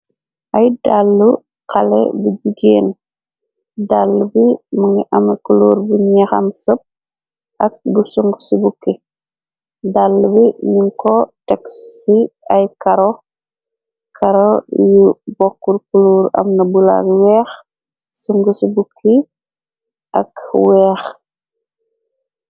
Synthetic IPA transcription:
ʔɐjdalːu | qalɛ̰buɟuɡeːn | dalːubimuŋɡiʔɐmɐkuluːɾbuɲɛxɐ̰msəp̚ | ʔɐk̚busuŋɡusubukːi | dalːubiɲiŋkɔtɛksːiɐjkaɾo | kʰaɾojubɔkːuɾkuluːɾɐ̰mnɐbula̰ɡwɛːx | suŋɡusibukʰːi | ʔɐkwɛːx

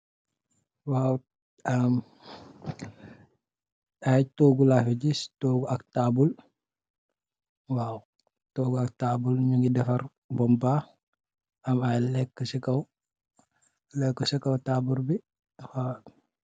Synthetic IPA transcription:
waːw | am | ajtoːɡulafiɟistoːɡuɐk̚taːbul | waːw | toːɡuak̚taːbulɲuŋɡidɛfɐɾ | bɔmba | ɐmajlɛkːəsɛkɐw | lɛkːɔsɛkɐwtaːbuɾbi | fa

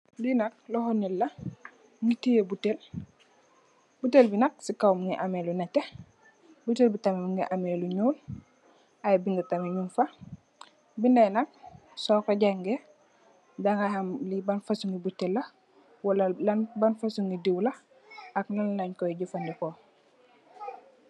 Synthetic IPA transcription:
binɐk̚lɔhɔnilːɐ | ŋɡitijebutel | butelbinɐk̚sikawmŋɡiʔamelunate | butelbitamemuŋɡiʔameluɲuːl | ajbiŋɡitameɲunfa | bindajnɐk̚ | sɔkɔɟaŋɡe | daŋahamlibanfasuŋɡibutelːɐ | walalanbanfasuŋɡidiwlɐ | aknanlaɲkɔiɟufandikɔ

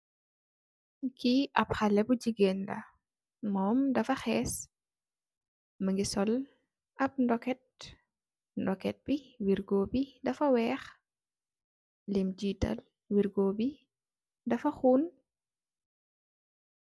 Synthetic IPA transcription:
kiʔɐp̚xɐlɛbud͡ʒiɡendɐ̰ | mɔːmdɐfɐxɛːs | məŋɡisɔl | ʔɐp̚ndɔkɛt̚ | ndɔkɛt̚b̥iwiɾɡoːbidɐfɐwɛːx | limd͡ʒiːtɐ̰l | wiɾɡoːbi | dɐfɐxuːn

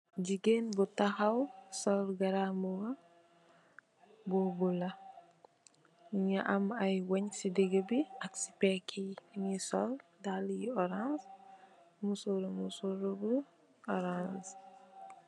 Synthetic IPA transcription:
d͡ʒiɡenbutaxawsɔlɡɐɾamuɡa | bubula | ɲaʔamajwɲsideɡebiaksi̥pɛkʰinisɔldaljiɔɾãns | musoɾumusuɾubu | ɔɾans

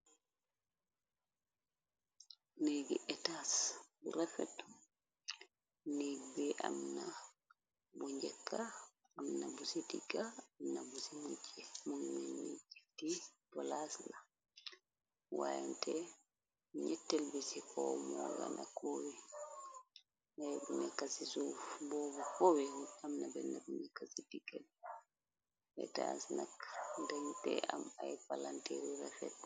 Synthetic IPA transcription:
neɡiʔɛtasbuɾafɛt | neɡbɛʔa̰mna | buɲd͡ʒɛkːa | amnabusitiɡaamnabusimut͡ʃːɛmunmɛnid͡ʒiftibɔlasla | wa̰jantɛ | ɲɛtːɛlbisikʰɔmɔɡanakʰowi | najbunɛkasisufbɔːbɔkowihuamnabɛnabunɛkasidiɡa | ɛ̰ta̰snakndaŋtɛamajpalantɛɾiɾafɛtː

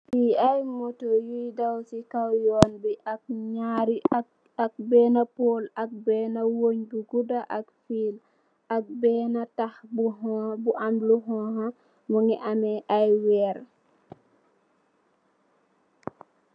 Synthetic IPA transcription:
piajmotojujdawsikawjɔːnbiʔak̚ɲaɾi | ak̚bɛnapolak̚bɛːnawoɲbuɡudaʔakfiːl | ʔak̚bɛːnatahbuɦbuʔamluɦɔha | muŋiʔamɛʔajwɛːɾ

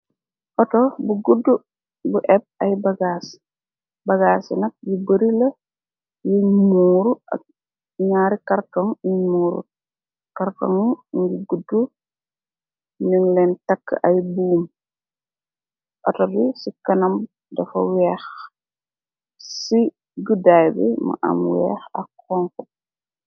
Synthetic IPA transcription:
ʔɔtɔbuɡudːu | buʔɛp̚ɐjbɐɡaːs | bɐɡaːsḭnɐk̚jibəɾilɐ | jimmuːɾuɐ̰k̚ | ɲaːɾikɐrtɔŋimuːɾṵ | kɐɾto̰ŋɲɡiɡudːu | niŋlɛntɐkːəʔɐjbuːm | ʔɐtɐbisikɐnɐm | dɐfɐ̰wɛːx | si | ɡədajbɛ̰mɐ̰ʔɐ̰mwɛ̰ːxɐkː | ɔŋkɔ

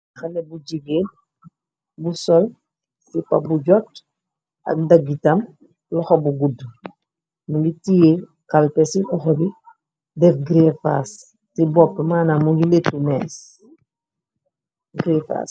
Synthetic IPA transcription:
xanɛbuɟiɡeːn | busɔl | sipabuɟɔt | ɐ̰k̚daɡitɐm | lɔxɔbuɡud | muŋɡitije | kalpɛsiʔɔxɔbi | dɛfɡɾɛfa̰s | tibɔp̚tmaːnamuŋɡiletːumɛːs | ɡɾɛfa̰ːs

